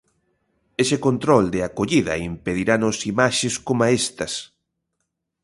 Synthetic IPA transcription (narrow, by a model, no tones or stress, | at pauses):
esekont̪ɾɔld̪eakoʎiðɐ̰impeðiɾanosimaʃɪskomaest̪ɐs